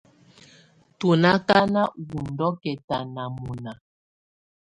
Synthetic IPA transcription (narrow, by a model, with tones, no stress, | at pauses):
tu˨na˦ka˦na˦wu˨ndɔ˦kɛ˨ta˨na˨mu˨na˨